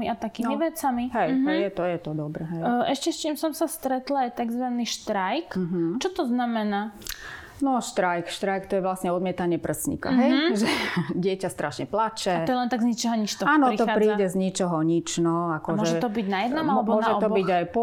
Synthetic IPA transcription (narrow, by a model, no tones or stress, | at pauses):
iat̪akiːmmiʋɛt͡samiɦɛjjɛt̪ɔjɛt̪ɔd̪ɔbɾɛɦɛjʔɛʃcɛst͡ʃiːmsɔmsast̪ɾɛt̪laajt̪aɡzʋaniːʃt̪ɾajk̩ɦt͡ʃɔt̪ɔznamɛnaː | nɔʃt̪ɾajkʃt̪ɾajkt̪ɔjɛʋlasɲɛɔd̪mɪɛt̪aɲɪɛpr̩sɲḭka̰ɦɛjʒɛɟɪɛcast̪ɾaʃɲɛplat͡ʃɛaɔjɛlɛnt̪aɡzɲit͡ʃɔɦɔɲit͡ʃt̪ɔaːnɔit̪ɔxapɾiːɟɛzɲit͡ʃɔɦɔɲit͡ʃnɔakɔmɔʒɛɔʒɛt̪ɔbiɟnajɛd̪nɔmamɛmɔnaʒɛɔt̪ɔbɔbiɟajpɔ